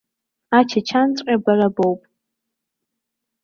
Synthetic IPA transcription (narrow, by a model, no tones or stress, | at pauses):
at͡ʃʰat͡ʃʰant͡sʷʼabarabowpʼ